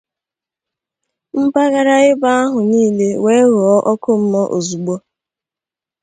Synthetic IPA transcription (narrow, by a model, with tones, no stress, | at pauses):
m̩˦pa˦ɣa˦ɾa˦ɪ˦ba˦a˦ɦʊ˨niː˦le˦we˦ɣɔ˦ʔɔ˦kʊ˦m̩˦mɔ˦ʔo̰˨zu˨ɡ͡bɔ˦